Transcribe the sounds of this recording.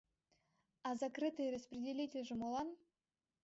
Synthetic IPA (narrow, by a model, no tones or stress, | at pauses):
ɑzakrɨt̪ɨjrəsprʲɪdʲelʲitʲelʲʐɘ̆molˠɑn